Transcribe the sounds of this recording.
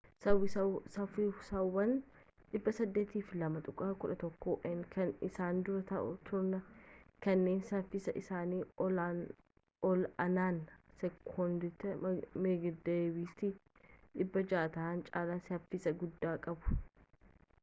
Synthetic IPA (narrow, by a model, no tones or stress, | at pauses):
sɐwɪɐsɐfɪsɐwɐn | ᶑɪbːɐsɐd̪ːe̞ːt̪iːflɐmɐt̪ʼʊkʼːaːkʊᶑɐt̪ɔkːoːʔɛnkʰɐnɪsaːnd̪ʊɾɐt̪ɐʔʊt̪ʰʊɾnɐkɐnːe̞ːnsɐɐfɪsɐʔɪsaːniː | ɔlɐnaːnsɛkʰɔnd̪ɪt̪meːɡɪd̪ewiːst̪ɪ | ᶑɪbːɐd͡ʒaːt̪ɐaːnt͡ʃʼaːlaːsɪɐfːɪsɐɡʊd̪ːaːkʼɐbʊ